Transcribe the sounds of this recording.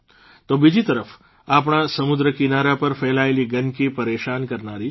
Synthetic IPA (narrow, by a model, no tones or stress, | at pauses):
t̪obid͡ʒit̪əɾəf | ap̬ɳasəmʊd̪ɾəkinaɾapəɾfɛlaeliɡənkipəɾeʃankəɾnaɾi